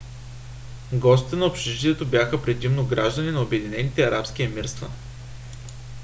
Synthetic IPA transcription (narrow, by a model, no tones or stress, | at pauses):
ɡɔst̪i̥t̪ɛnɐopʃɛʒit̪ʲiɛt̪objaxəpɾɛd̪imnoɡɾaʒd̪əninɐobɛd̪inɛnit̪ɛɐɾapsk̟iɐmiɾst̪və̰